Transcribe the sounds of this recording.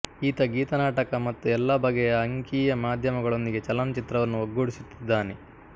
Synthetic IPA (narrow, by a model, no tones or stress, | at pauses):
iːt̪ɐɡiːt̪ɐnaːʈɐkɐmɐt̪ːuɛlːɐbɐɡejɐɐŋkiːjɐmaːd̪ʱjɐmɐɡɐɭo̞nd̪iɡe̞t͡ʃɐlɐnɐt͡ʃit̪ɾɐʋɐnːuɐɡːoɽisut̪ːid̪ːaːne